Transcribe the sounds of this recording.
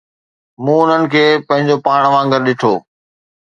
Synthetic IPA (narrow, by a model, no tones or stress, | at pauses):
mũːʊn̤ənɪ̆kʰeːpɐ̃ɦɪ̃ɲd͡ʑopaːɽ̃ʋãːŋɡəɾɗɪʈʰo̰ː